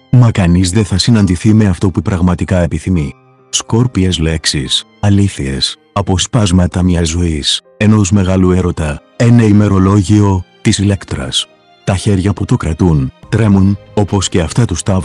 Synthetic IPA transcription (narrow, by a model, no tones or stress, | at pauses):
mɐkɐnizðe̞θɐsinɐnd̪iθime̞ɐft̪o̞pupɾɐɣmɐt̪ikɐe̞piθimi | sko̞ɾpiezle̞ksisɐliθie̞̰s | ɐpo̞spɐzmɐt̪ɐmɲɐzo̞is | e̞no̞zme̞ɣɐlue̞ɾo̞t̪ɐ | eneime̞ɾo̞lo̞ʝio̞t̪isile̞kt̪ɾɐ̰s | t̪ɐçe̞ɾʝɐput̪o̞kɾɐt̪unt̪ɾe̞muno̞po̞sce̞ɐft̪ɐt̪ust̪ɐv